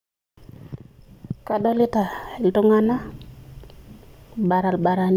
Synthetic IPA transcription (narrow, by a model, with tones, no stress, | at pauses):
ka˦do˦li˦ta˨e˨ltu˦ŋa˦na˦ | ba˨ɾa˨lba˨ɾa˨n